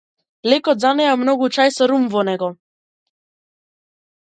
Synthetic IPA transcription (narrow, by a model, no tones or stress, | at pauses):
lekɔd̪zanɛamnɔɡut͡ʃajsɔɾumvɔnɛɡɔ